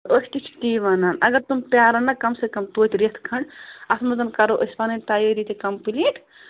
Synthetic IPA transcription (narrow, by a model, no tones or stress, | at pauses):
osʈ̪it͡ʃʰkt̪iːʋɐnanɐɡɐɾt̪umpjaːɾɐnɐkɐmsekɐmt̪oːt̪ʲɾit̪ʰkʰɐɳɖɐsmɐzɐnkɐɾoʔosʲpɐnɐnt̪ajəɾit̪ekɐmpiliʈʰ